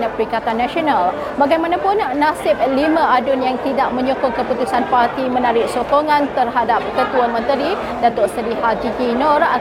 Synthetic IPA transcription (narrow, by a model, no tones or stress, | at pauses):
apəɾikat̪anːaʃional | baɡajmanapʊnːasɪp̚limãadʊnjaŋt̪idaʔmə̃ɲukʊŋkəput̪usanpart̪imənaɾɪʔ̚sokoŋãnt̪ərɦadap̚kət̪uamə̃nt̪əɾi | dat̪oʔsədihad͡ʒiɡinɔra